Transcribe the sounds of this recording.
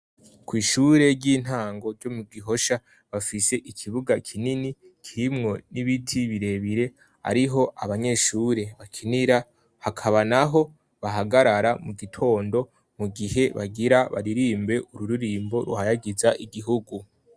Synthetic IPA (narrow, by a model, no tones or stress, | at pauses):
kwiːʃuɾe̞ɟiːn̥haːŋɡo̞ɟo̞muɡiɦo̞ʃa | βafise̞ʔikʰiβuɡakʰinini | kʰiimŋo̞niβitʰiβiɾe̞βiɾe̞ | a̰ɾiɦo̞ʔaβaɲe̞ʃuːɾe̞βakʰiniɾa | hakʰaβanaɦo̞ | βaɦaɡaɾaɾamuɡitʰo̞ːndo̞ | muɡiɦe̞βaɡiɾaβa̰ɾiɾiːmbe̞ʔuɾuɾuɾiːmbo̞ɾuhajaɡizaʔiɡiɦuɡu